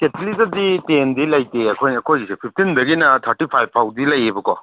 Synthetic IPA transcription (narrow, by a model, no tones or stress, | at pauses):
ketlizɐditendilɐjteɐkʰojnɐkʰojzisepʰip̚ʰtʰindɐɡinɐtʰɐɾtipʰajb̚pʰawdilɐjebɐkɔ